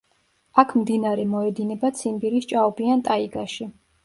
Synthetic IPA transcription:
akʰmd̪inaɾɛmɔɛd̪inɛbat̪sʰimbiɾist͡ʃʼaubiant̪ʼaiɡaʃi

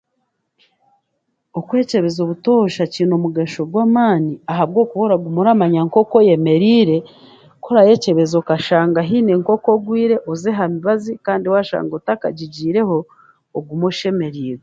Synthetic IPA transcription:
okwe̞ːce̞βe̞zo̞βuto̞ːʃaciːno̞muɡeʃo̞ɡwaːmaːniaɦaβɡo̞ːkuβo̞ɾaɡumuɾamaɲaŋko̞koje̞me̞ɾiːɾe̞ | kʰo̞ɾaje̞ːce̞βe̞zokaʃaːŋɡaɦiːneŋko̞koɡwiːɾe̞ʔozeɦamiβazikaːndiwaʃa̰ːŋɡotaka̰ɟiɟiːɾe̞ho̞ː | ɡumuʃe̞me̞ɾiːɾe

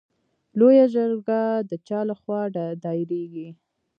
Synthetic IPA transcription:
lojaʒəɾɡad̪ət͡ʃɑlaxwɑɖɖɑɾeɡi

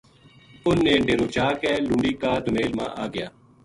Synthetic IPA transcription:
ʊnːẽːɖeːɾoːt͡ʃaːkɛːlũːɳɖiːkaːd̪ʱʊmeːlmã̰ːʔaːɡɪjaː

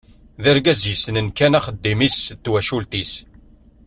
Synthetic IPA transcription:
ðæɾɡæzjəsnənkænæχəd̪ːimist̪ːwæʃult̪is

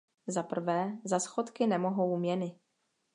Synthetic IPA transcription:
zapr̩vɛːzasxot̪kɪnɛmo̞ɦo̞wmɲɛnɪ

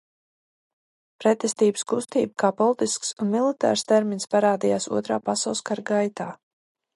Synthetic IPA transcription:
pɾɛt̪ɛst̪iːbɨskust̪iːbəkaːpɔlˠt̪isksunmilˠit̪a̰ːɾst̪ɛɾminspaɾaːd̪ijaːsuɔt̪ɾa̰ːpasawlˠskaɾɡajt̪aː

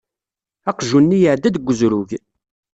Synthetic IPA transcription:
æqʒunːijəʕd̪æd̪ɡʷːəzɾuʝ

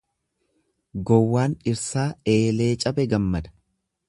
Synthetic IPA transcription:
ɡɔwːaːnɪɾsaːe̞ːle̞ːt͡ʃʼɐbɛɡɐmːɐd̪ɐ̥

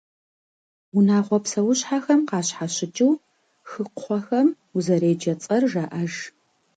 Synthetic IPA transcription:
unaːʁʷɔpsɐwʊɕħaxɐmqɑːɕħaɕɪt͡ʃʼɪw | xɨqʰʷɔxɐm | uzɐɾeːd͡ʒɐt͡sʼɐrʒɐʔɐʒ

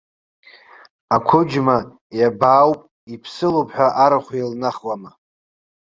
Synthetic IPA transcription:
akʷʰʊd͡ʒma | jabaːwpʼ | ipʰsɨlopʰħʷᶣaʔaɾaχʷilnaχwama

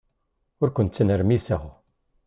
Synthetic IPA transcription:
ʊɾkʷənt̪t͡sːənəɾmisəʁ

